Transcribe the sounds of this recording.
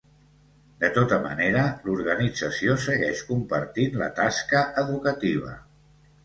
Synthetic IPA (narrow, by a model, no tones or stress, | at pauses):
d̪ət̪ot̪əmə̰neɾəluɾɣənid͡zəsiosəɣɛʃkumpəɾt̪inlə̰t̪askəʔəðukət̪iβ̞ə̰